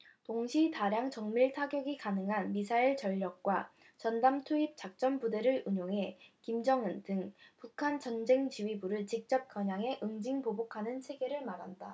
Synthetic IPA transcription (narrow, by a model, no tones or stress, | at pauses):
toŋɕʰitaɾjaŋt͡ɕʌŋmiɭtʰaɡjʌɡikanɯŋɦanmisʰaiɭt͡ɕʌʎːʌk̚k͈wa | t͡ɕʌndamtʰuip̚t͡ɕ͈ak̚t͡ɕ͈ʌnbude̞ɾɯɭuɲoŋɦe̞kimd͡ʑʌŋɯndɯŋpukʰant͡ɕʌnd͡ʑe̞ŋt͡ɕiɥibuɾɯɭt͡ɕik̚t͡ɕ͈ʌp̚k͈jʌɲaŋɦe̞ʔɯŋd͡ʑiŋpobokʰanɯnt͡ɕʰe̞ɡe̞ɾɯɭmaɾɦanda